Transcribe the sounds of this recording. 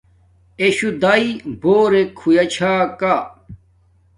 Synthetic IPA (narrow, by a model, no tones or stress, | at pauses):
eɕud̪aiboːɾekʰːujɐt͡ɕʰaːka